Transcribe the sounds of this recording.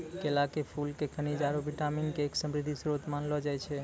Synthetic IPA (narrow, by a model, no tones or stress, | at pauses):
kelakepʰulkekʰənid͡ʒaɾobiʈaminkeːksəmɾid̪ʱisɾot̪manlɔd͡ʒajt͡ʃʰɛ